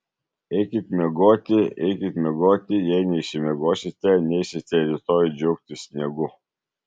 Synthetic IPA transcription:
ɛɪkʲɪt̪ʲmʲɛɡoːt̪ʲɪɛɪkʲɪt̪̚ʲmʲɛɡoːt̪ʲɪjɛɪnʲɛɪʃʲɪmʲɛɡoːsʲɪt̪ʲɛnʲɛɪsʲɪt̪ʲɛɾʲit̪oːjd͡ʒʲɛʊk̚t̪ʲɪsʲnʲɛɡʊ

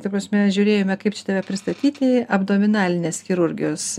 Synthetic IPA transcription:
k̪ɐpɾɐːsʲmʲɛʒʲuːɾʲeːjoːmʲɛkɐɪpt͡ʃʲɪt̪ɐʋʲɛpʲɾʲɪst̪ɐt̪ʲiːt̪ʲɪɐbd̪oːmʲɪnɑːlʲɪnʲeːsxʲɪɾʊɾʲɡʲɪjoːs

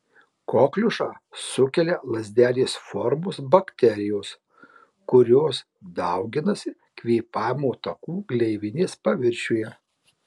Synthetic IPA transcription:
koːklʲʊʃɑː | sʊkʲɛlʲɛlˠɐzʲd̪ʲæːlʲeːsfɔɾmʊsbɐkʲt̪ʲɛɾʲɪjoːs | kʊɾʲoːs | d̪ɐʊɡʲɪnɐsʲɪ | kʋʲiːpɑːjmoːt̪ɐkuːɡlʲɛɪʋʲɪnʲeːspɐʋʲɪɾʲʃʲuːjɛ

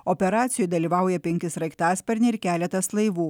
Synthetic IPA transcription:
opʲɛɾɑːt̪sʲɪjuɪd̪ɐlʲiːʋɐˑʊjɛpʲɛŋʲkʲɪsɾɐɪkt̪ɑːspʲɛɾʲnʲɛɪɾkʲæːlʲɛt̪ɐslˠɐɪʋuː

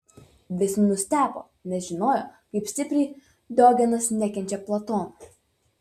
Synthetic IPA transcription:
ʋʲɪsnʊsʲt̪ʲæːpo̰ː | nʲɛsʒʲɪnoːjoːkɐɪpsʲt̪ʲɪpʲɾʲɛɪ | d̪oːɡʲɛnɐsnʲɛkʲɛnʲt͡ʃʲɛplˠɐt̪oːnɐ

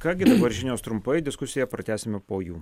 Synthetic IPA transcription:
kɑːɡʲɪd̪ɐʋɐɾʲʒʲɪnʲoːst̪ɾʊmpɐɪd̪ʲɪskʊsʲɪjɛpɾɐt̪ʲæːsʲɪmʲɛpoːjuː

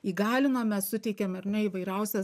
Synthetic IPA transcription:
iːɡɑːlʲɪnɐmʲɛssʊt̪ʲɛɪkʲɛmɐrnʲɛiːʋɐɪɾɛʊsʲɛ

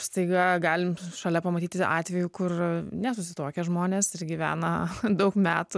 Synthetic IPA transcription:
st̪ɐɪɡɐɡɑːlʲɪmʃɐlʲɛpɐmɐt̪ʲiːt̪ʲɪʔɑ̰ːt̪ʲʋʲɛjuːkʊrnʲɛsʊsʲɪt̪oːkʲɛʒmoːnʲeːsɪɾɡʲiʋʲæ̰ːnɐd̪ɐʊkmʲæːt̪ʊ

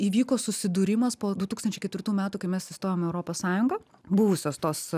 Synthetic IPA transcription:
iːʋʲiːkoːsʊsʲɪd̪uɾʲɪmɐspoːd̪ʊt̪uːkst̪ɐnʲt͡ʃɛɪkɛt̪ʋʲɪɾt̪uːmʲæːt̪uːkɐɪmʲɛsɪst̪oːjʲoːmɛʊɾoːpoːssɑːjʊŋɡɐ | bʊʋʊsʲoːst̪oːs

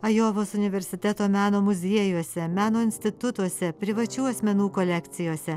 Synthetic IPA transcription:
ɐjoːʋosʊnʲɪʋʲɛɾʲsʲɪt̪ʲɛt̪oːmʲæːnoːmʊzʲiɛjuɔsʲɛmʲæːnoːɪnʲsʲt̪ʲɪt̪ʊt̪uɔsʲɛpʲɾʲɪʋɐt͡ʃʲuːɐsʲmʲɛnuːkɔlʲɛkt̪sʲɪjoːsʲɛ

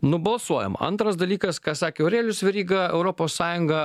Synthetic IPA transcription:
nʊbɐlˠsuɔjɛ̰mɐ̰nt̪ɾɐsd̪ɐlʲiːkɐskɑːsɑːkʲeʊɾʲeːlʲʊsʲʋʲɛɾʲiːɡɐɛ̰ʊɾoːpoːssɑːjʊŋɡɐ

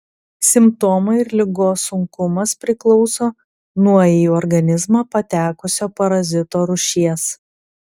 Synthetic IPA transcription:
sʲɪmp̚t̪ɔːmɐɪɾlʲɪɡoːsʊŋkʊmɐspʲɾʲɪklˠɔʊsoː | nuɔjɛjuɔɾɡɐnʲɪzmɑːpɐt̪ʲæːkʊsʲoːpɐɾɐzʲɪt̪oːɾʊʃʲiɛs

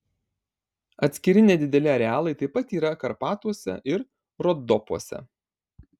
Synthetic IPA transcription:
ɐt̪ʲsʲkʲɪɾʲɪnʲɛd̪ʲɪd̪ʲɛlʲɪɐɾʲɛɑːlˠɐɪt̪ɐɪpɐt̪iːɾɐkɐɾpɑːt̪uɔsʲɛ̰ʔɪɾ | ɾɔd̪ɔpuɔsʲɛ̰

